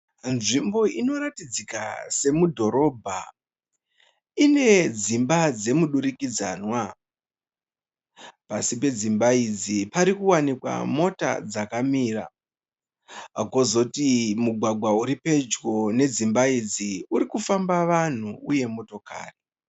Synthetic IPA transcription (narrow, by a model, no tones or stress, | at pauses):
nʐimbo̞ino̞ratid͡zika̰se̞mudʱo̞ɾo̞bʱa | ine̞d͡zimbad͡ze̞muɗuɾikid͡za̰ːnwa | pasipe̞d͡zimbaid͡zipaɾikuwanikwa̰mo̞ta̰d͡zakamiːra̰ | kozo̞timuɡʱwaɡʱwauɾipe̞d͡ʒɡo̞ne̞d͡zimbaid͡ziuɾikufambaʋan̤uuje̞moto̞ka̰ːri